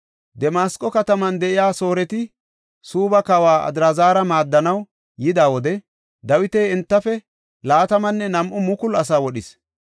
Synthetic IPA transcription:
d̪ɛmaːskʼːɔkɐt̪ɐmɐnd̪ɛʔɪjaːso̞ːɾɛt̪ɪ | suːbɐkɐwaːɐ̰d̪ɾazaːɾɐmaːd̪ːɐnɐw | jɪd̪aːwɔd̪ɛ | d̪ɐwɪt̪ejɪnt̪ːɐfɛ | laːt̪ɐmɐnːɛnɐmʔʊmʊkʊlɐsaːwɔɗɪs

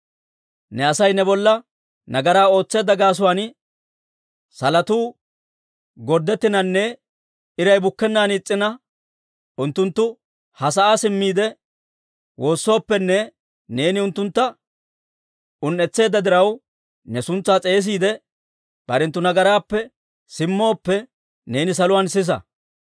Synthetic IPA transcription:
nɛɐsɐjnɛbɔlːɐ | nɐɡɐɾaːo̞ːt͡sːe̞ːd̪ːɐɡaːs̬ʊwaːn | sɐlɐt̪uː | ɡɔɾd̪ːɛt̪ːɪnɐnːɛ | ɪɾɐjbʊkːɛnːaːnːt͡sʼːɪnɐ | ʊnt̪ːʊnt̪ːʊ | hɐs̬ɐʔaːsɪmːiːd̪ɛ | wo̞ːsːo̞ːpːɛnːɛ | ne̞ːnɪʊnt̪ːʊnt̪ːɐ | ʊnːɛt͡sːe̞ːd̪ːɐd̪ɪɾɐw | nɛsʊnt͡sːaːt͡sʼe̞ːs̬iːd̪ɛ | b̥ɐɾɛnt̪ːʊnɐɡɐɾaːpːɛ | sɪmːo̞ːpːɛ | ne̞ːnɪs̬ɐlʊwaːnsɪs̬ɐ̰

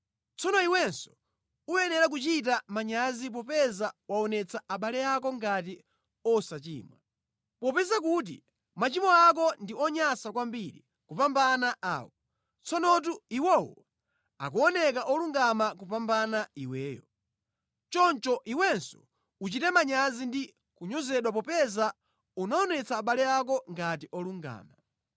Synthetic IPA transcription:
t͡sɔnɔiwɛnsɔ̥ | ujɛnɛɾak̬ut͡ʃit̬amaɲazip̬ɔpɛzawaɔnɛt͡sʰaaɓalɛakɔŋɡat̬i | ɔsat͡ʃḭːmwa | pɔpɛzakut̬ḭ | mat͡ʃimɔak̬ɔndiɔɲasak̬wambiɾḭ | kupambanaʔa̰ːwɔ | t͡sɔnɔt̬uiwɔwɔ̰ | a̰k̬uɔnɛkaʔɔluŋɡamakupambanaiwɛːjɔ | t͡ʃɔnt͡ʃɔʔiwɛnsɔ̥̰ | ut͡ʃitɛmaɲazindi | kuɲɔzɛɗwap̬ɔpɛza | unaɔnɛt͡sʰaːɓalɛak̬ɔŋɡat̬iʔɔluŋɡa̰ːma

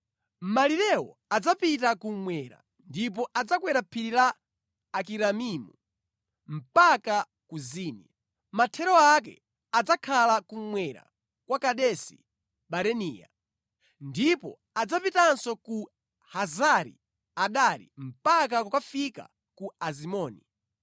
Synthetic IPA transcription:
maliɾɛwɔad͡zapitakumwɛɾa̰ | ndip̬ɔʔad͡zakwɛɾapʰiɾilaː | k̬iɾamimu | m̩paka | kuziːnḭa | matʰɛɾɔak̬ɛ̰ | ad͡zakʰalakumwɛɾa̰ | kwakaɗɛsḭ | ɓaɾɛniːja̰ | ndipɔ | ad͡zapitansɔku | hazaɾḭ | aɗaɾḭm̩pak̬akukafika̰ | kuazimɔːni

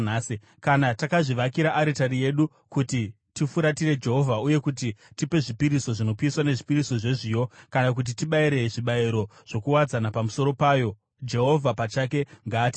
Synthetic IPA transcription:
aːsi | kanatakaʐiʋakiɾaʔːɾitaɾije̞ɗu | kuti | tifuɾatiɾe̞d͡ʒe̞ɦo̞vʱauje̞kut̬itipe̞ʐipiɾiso̞ʐino̞piːswane̞ʐipiɾiso̞ʐeʐiːjo̞kanak̬ut̬itiɓaiɾe̞ʐiɓaiɾo̞ʐ̥o̞kuwad͡zanapamuso̞ɾo̞paːjo̞ | d͡ʒe̞ɦo̞vʱapat͡ʃake̞ŋɡaːti

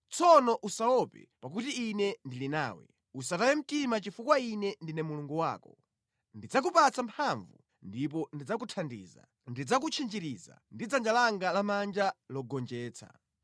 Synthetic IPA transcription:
t͡sʰɔnɔʔusaɔpɛ̰pak̬utiːnɛndilinaːwɛ̰ | usatajɛm̩timat͡ʃifukwainɛndinɛmuluŋɡuwa̰ːkɔ | ndid͡zak̬upat͡sampʰaɱvṵ | ndip̬ɔndid͡zakutʰandḭːza̰ | ndid͡zak̬ut͡ʃʰind͡ʒiɾiza̰ndid͡zand͡ʒalaŋɡalamand͡ʒalɔɡɔnd͡ʒɛːt͡sʰa̰

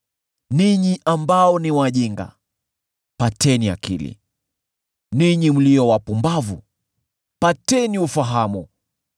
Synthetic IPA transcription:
niɲiʔambaɔniwaʄiŋɡa̰ | patɛnia̰kḭlḭ | niɲim̩liɔwapumbavu | patɛniufaɦamu

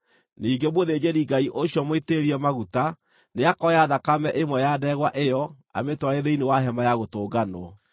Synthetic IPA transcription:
niːɡemoðed͡ʑeɾiɡaiʔoɕjɔmweteɾiɛmaɣuta | neakɔjaðakamɛʔemwɛjadɛɣwaʔejɔ | a̰metwaɾeðeinewaɦɛmajaɣotoːɡanɔ

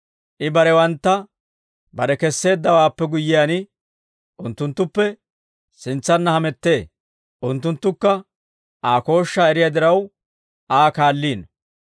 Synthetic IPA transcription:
ʔɪbɐɾɛwɐnt̪ːɐ | bɐɾɛkɛsːe̞ːd̪ːɐwaːpːɛɡʊjːɪjaːnɪ | ʔʊnt̪ːʊnt̪ːʊpːɛ | sɪnt͡sːɐnːɐhɐmɛt̪ːe̞ː | ʔʊnt̪ːʊnt̪ːʊkːɐ | ʔaːko̞ːʃːaːɛɾɪjad̪ɪɾɐw | ʔaːkaːlːiːn

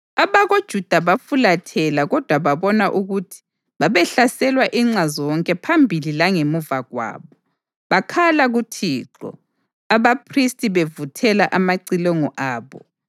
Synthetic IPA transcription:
aβaɣod̥ʒ̥ʱud̥ʱaβafulatʰɛlaɣɔd̥ʱwaβaβɔnaʔuɣutʰi̥ | βaβɛɬasɛlwaʔiŋ͡ǀazɔwɔŋkʼɛpʰambʱililaŋemuvaɣwa̰ːβɔ | βakʰalaɣutʰiːǁɔ̰ | aβapʰristʼiβevutʰɛlaʔamaǀilɔŋɔʔaːβɔ̰

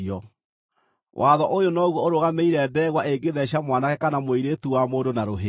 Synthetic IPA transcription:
ɔ | wʔaðɔʔojonɔɣwɔoɾoɣameiɾɛːdɛɣwaʔeɡeðɛɕjamwanakɛkanamoiɾetuwamoːndonaɾoɦe

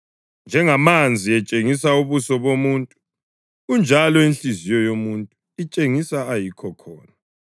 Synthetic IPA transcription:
nd͡ʒʱɛŋamand͡zʱiɛt͡ʃʼeŋisauβusɔβomuːntʼu̥ | ɣund͡ʒʱalɔinɬizijɔjomuntʼu | it͡ʃʼeŋisaajikʰɔkʰɔ̰ːna

